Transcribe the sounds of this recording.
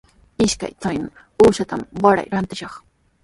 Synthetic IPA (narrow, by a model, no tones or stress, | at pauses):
ɪʃka̰jt͡saj | uːʃat̪amwaɾa̰jɾant̪ɪʃɑχ